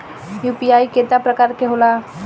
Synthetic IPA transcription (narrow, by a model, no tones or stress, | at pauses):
jupiaːiket̪apɾəkaːɾkeɦola